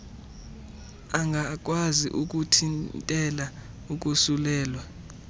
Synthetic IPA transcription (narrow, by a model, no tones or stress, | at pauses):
aŋɡʱak̬ʼwazḭʔuk̬ʼutʰintʼɛla | uk̬ʼusulɛːlwa